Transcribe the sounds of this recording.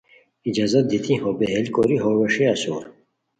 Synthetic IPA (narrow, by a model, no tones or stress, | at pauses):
id͡ʑazɐt̪̚d̪it̪ʰĩhobeɦelkoɾiɦoweʂeɐsṵːɾ